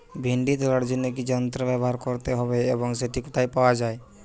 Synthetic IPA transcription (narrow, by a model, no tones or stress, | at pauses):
bʱiɳɖit̪ɾaɽd͡ʒinəkid͡ʒənt̪ɾəbɛbɔɦaɾkɔɾt̪eɦɔbeːbɔŋseʈikut̪aipawad͡ʒae